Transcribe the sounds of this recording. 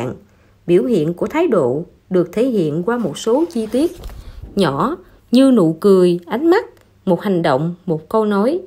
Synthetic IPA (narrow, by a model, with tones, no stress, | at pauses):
ŋ | ɓi˧˩əwhḭ˧˨ənku˧˩ət̪ʰaː˨˦jɗo̰˧˨ | ɗɨ˨˩ək̚t̪ʰe˧˩hḭ˧˨ənkwaː˧mo˨˩t̚so˨˦t͡ɕi˧t̪i˦˥ət̚ɲɔ˧˩ | ɲɨ˧nṵ˧˨kɨ˨˩əjʔa˨˦jŋ̟ma˦˥t̚ | mo˨˩t̚ha˨˩jŋ̟ɗə̰˧˨wŋ͡mmo˨˩t̚kə˧wnɔ˨˦j